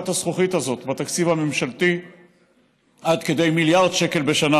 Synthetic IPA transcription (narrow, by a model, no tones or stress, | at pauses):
t̪hasχuχit̪hazo̞t̪bat̪akt͡sivhame̞mʃalt̪i | ʔad̪ke̞d̪e̞jmiljaʁd̪ʃeke̞lbe̞ʃana